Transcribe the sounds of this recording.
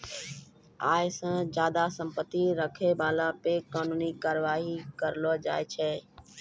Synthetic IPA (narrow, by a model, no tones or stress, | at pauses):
aːɪsãːd͡ʒaːd̪asə̃mpət̪ːiɾəkʰebaːlapekaːnuːnikaːɾəʋaːɦikəɾlod͡ʒa̰ːɪt͡ʃʰɛː